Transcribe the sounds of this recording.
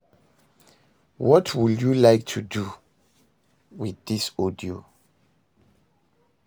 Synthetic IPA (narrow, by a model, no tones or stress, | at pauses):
wɔtʰwiljulaɪk̚tʰudu | wiðisɔdio